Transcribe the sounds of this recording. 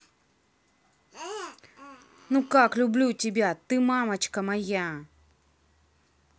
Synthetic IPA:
nukaklʲʊblʲutʲɪbʲat̪ɨmamɐt͡ɕkɐmaja

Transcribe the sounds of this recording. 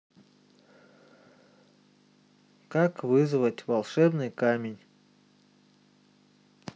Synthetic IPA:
kakvɨzɨvətʲvɐlˠʂɛbnɨjkamʲɪnʲ

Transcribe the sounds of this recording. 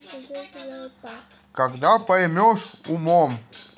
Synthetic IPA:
kɐɡd̪apɐjmʲɔʂumɔm

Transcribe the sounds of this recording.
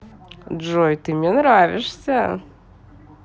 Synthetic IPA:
ʐojt̪ɨmnʲɛnɾavʲɪʂsʲə

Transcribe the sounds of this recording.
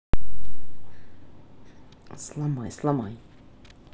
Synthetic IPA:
slamajslamaj

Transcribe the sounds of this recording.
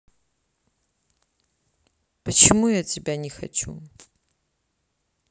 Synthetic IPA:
pɐt͡ʃʰimujatʲʰibʲanʲɪxɐ̰t͡ʃʰṵ

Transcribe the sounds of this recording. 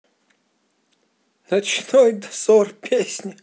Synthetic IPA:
nɐt͡ʃnojd̪ɐsɔrpʲʰesʲnʲi

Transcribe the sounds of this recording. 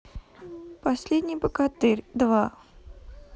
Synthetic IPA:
pɐsʲlʲedʲnʲɪjpəkat̪ɨrʲd̪va

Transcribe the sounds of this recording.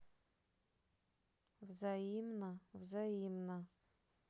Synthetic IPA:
vzajimnavzajimna

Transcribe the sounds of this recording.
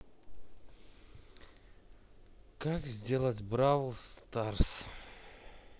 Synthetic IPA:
kakzʲdʲe̞lˠətʲbɾavlˠst̪ars

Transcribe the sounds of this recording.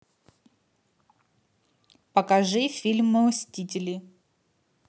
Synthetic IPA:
pɐkɐʐɨfʲilʲmɨsʲtʲitʲɪlʲɪ

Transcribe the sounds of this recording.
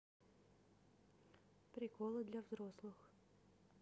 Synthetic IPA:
pɾʲɪkolˠɨd̪lʲavzɾoslˠɨx

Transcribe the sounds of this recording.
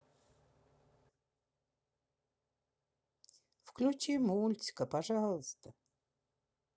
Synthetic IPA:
fklʲut͡ɕimulʲt̪ʲɪ̥kəpɐʐalˠəst̪ə

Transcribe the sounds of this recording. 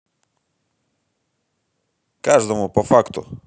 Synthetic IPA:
kaʐd̪ɔmupɔfakt̪ṵ

